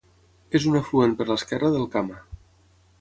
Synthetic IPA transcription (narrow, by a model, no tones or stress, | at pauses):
ezunafluenpəɾləskɛrəðəlˠkama